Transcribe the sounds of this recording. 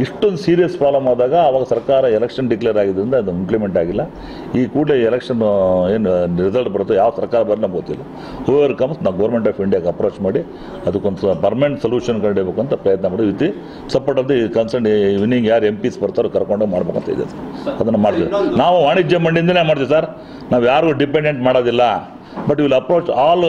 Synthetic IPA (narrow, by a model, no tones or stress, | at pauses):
iʂʈːond̪usiːɾijɐspaːlɐmaːd̪aːɡɐːʋaːɡɐsɐɾkaːɾɐɛlɛkʂɐnɖiklejɐɾaːɡid̪ɐɾind̪ɐɐd̪uimplimeɳʈaːɡilːɐ | iːkuːɽleɛlekʂɐneːnɾizɐlʈ̚bɐɾt̪ːujaːʋ̪sɐɾkaːɾɐbɐɾlinɐmɡot̪ːilːɐ | huʋɐɾkɐmsnaːɡɐʋɐɾme̞ɳʈaːpiɳɖijaːɡɐpɾoːt͡ʃmaːɽi | ɐd̪ukːond̪pɐɾmeɳʈsɐljuːʂɐnkɐɳɽebeːkuɐnt̪ɐpɾɐjɐt̪nɐmaːɽʋit̪i | sɐpoːʈɐd̪ekɐnsɐɳɖʋiniŋɡjaːɾe̞mpisbɐɾt̪aːɾokɐɾkoɳɖɡemaːɽbekuɐnt̪ɐ̰d̪ḭjɐ̰saɾɐd̪ɐnːɐmaːɽt̪id̪inaːʋuaːɳid͡ʒemɐɳɖind̪ɐnemaːɖt̪iʋisaːɾ | naːʋjaːɾɡuɖipeɳɖeɳʈmaːɽoːd̪ilːɐ | bɐʈːiʋilɐpɾoːt͡ʃaːl